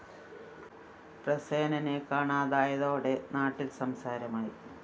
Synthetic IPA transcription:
prɐseːnɐnekaːɳaːðaːjɐðoːɽe̞naːʈːilsɐmsaːɾɐmaːjḭ

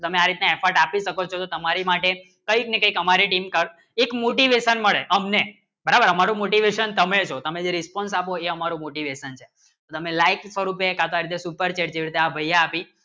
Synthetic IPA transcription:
ot̪əmeaɾit̪naɛfʰəɾʈapiʃəkot͡ʃʰot̪ot̪əmaɾimaʈe | kəiknekəikəmaɾiʈimkəɾ | ekmoʈiʋeʃənməɭeʔəmne | bəɾabəɾəmaɾũmoʈiʋeʃənt̪əmet͡ʃʰot̪əmed͡ʒeɾispɔns̬apoeəmaɾumoʈiʋeʃənt͡ʃʰe̥ | t̪ot̪əmelaiksʋəɾupekat̪oaɾit̪esupəɾt͡ʃeʈt͡ʃeʋɾit̪eabʱəjːaːpi

